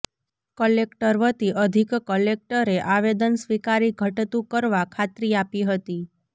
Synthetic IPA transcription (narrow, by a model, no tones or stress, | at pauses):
kəlekʈəɾʋət̪iʔəd̪ʱikkəlek̚ʈəɾeʔaʋed̪ənsʋikaɾiɡʱəʈt̪ũkəɾʋakʰat̪ɾiapiɦət̪i